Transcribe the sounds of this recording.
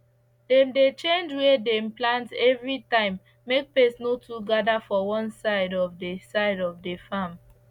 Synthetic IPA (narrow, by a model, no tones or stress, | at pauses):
dɛ̃mdet͡ʃẽnd͡ʒwedɛ̃mplãntɛvɹitãɪ̃mː | ek̚pesnotʰuɡadafɔwɔ̃nsaɪdɔvdesaɪdɔfdefam